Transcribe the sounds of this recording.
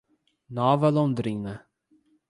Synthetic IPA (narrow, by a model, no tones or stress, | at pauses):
nɔvɐlɔ̃nd̪ɾinɐ